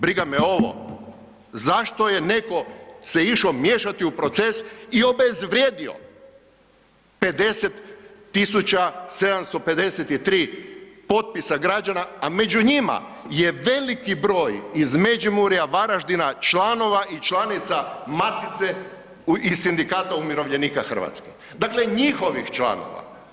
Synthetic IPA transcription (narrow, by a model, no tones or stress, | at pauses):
bɾiɡameo̞ʋo̰ | zaʃt̪o̞je̞ne̞ko̞se̞iʃomjeʃat̪iupɾo̞t̪se̞sio̞be̞zʋɾjeːd̪io̞̰ | pe̞d̪e̞set̪ː | isut͡ɕase̞d̪amst̪o̞pe̞d̪e̞set̪it̪ɾiːpo̞t̪̚pisaɡɾad͡ʒanaame̞d͡ʒuɲima̰je̞ʋe̞likibɾo̞ːjizmed͡ʒimuɾijaʋaɾaʒd̪inat͡ʃlano̞ʋaʔit͡ʃlanit̪samat̪it̪se | isind̪ikaːt̪aumiɾo̞ʋʎe̞niːkaxr̩ʋa̰t̪ske | d̪akleɲixo̞ʋixt͡ʃla̰no̞̰ʋa̰